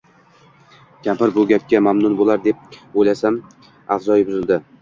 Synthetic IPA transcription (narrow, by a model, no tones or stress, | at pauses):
kʲʰampɪɾbʊɡʲap̚kʲamamnʊnbolaɾd̪e̞p̚ojlasam | afzɒjbʊzɪlˠd̪ɪ